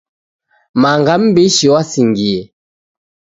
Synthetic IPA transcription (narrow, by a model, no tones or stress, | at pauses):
maŋɡam̩beʃiwasiŋɡie